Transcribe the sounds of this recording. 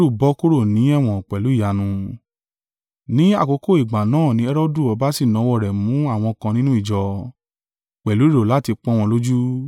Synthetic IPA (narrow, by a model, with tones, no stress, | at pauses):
ɾu˦˨bɔ˦ko˦ɾo˦˨nĩ˨˦ɛ˦˨w̃ɔ̃˨k͡pɛ˨lu˨˦i˦˨ja˨nũ˧ | nĩ˦a̰˦˨ko˧ko˦˨i˨ɡ͡ba˨nãː˦˨nĩ˨˦ɛ˦ɾɔ˦du˦˨ɔ˧ba˦si˦˨nɔ̃˨˧˦wɔ˦˨ɾɛ˨mũ˨˦a˦˨w̃ɔ̃˧kã˧nĩ˦nũ˦i˦˨d͡ʒɔ˧ | k͡pɛ˨lu˨˦i˦ɾo˨la˨˦˨ti˧k͡pɔ̃˦w̃ɔ̃˧lo˦d͡ʒu˦